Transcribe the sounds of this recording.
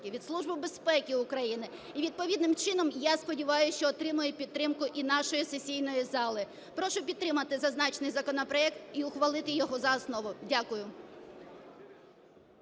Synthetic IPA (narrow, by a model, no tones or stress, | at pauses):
kʲɪʋʲid̪slˠuʒbɪbespɛkʲɪʊkɾɐjinɪ | iʋʲid̪̚pɔʋʲid̪nɪmt͡ʃɪnɔmjaspɔdʲiʋɑjʊʃt͡ʃɔːt̪ɾɪmʊjɛpʲid̪ːɾɪmkʊʔinɑʃɔjisesʲijnɔjizɑlˠɪ | pɾɔʃʊpʲid̪ɾɪmɐt̪ɪzɐznɑt͡ʃnɪjzɐkɔnɔpɾɔɛkt̪iʊxʋɐlˠɪt̪ɪjɔɦɔzɐːsnɔʋʊdʲakʊjʊ